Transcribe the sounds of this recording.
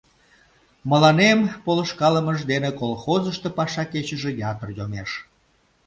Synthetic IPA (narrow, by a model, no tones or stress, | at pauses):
məlɑnempoləʃkɑləməʒd̪enekolxozəʃt̪epɑʃɑket͡ɕəʒejɑt̪ərjomeʃ